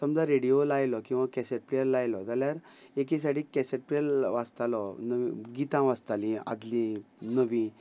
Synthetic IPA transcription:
səmd͡zaɾeɽijolajlɔkĩw̃ʋãkɛseʈ̚pɾijəlːajlɔd͡z̪aljaɾek̬is̬aʈikɛseʈ̚pɾiəlʋast̪alɔnəʋḭ̃ɡit̪ãʋast̪alĩa̰d̪lĩnəʋĩ

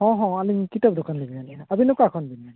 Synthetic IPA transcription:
hɔ̃ɦɔ̃anikitɔp̚dɔkanlibinaniabinɔkakʰɔnbina

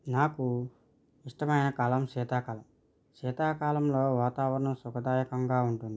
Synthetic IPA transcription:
naːku | iʂʈɐmɐjnɐkaːlɐmʃɛːt̪aːkaːlɐm | ʃɛːt̪aːkaːlɐmlo̞ːʋaːt̪aːʋɐɾɐɳɐmsukɐd̪aːjɐkɐŋɡaːuɳʈund̪ii

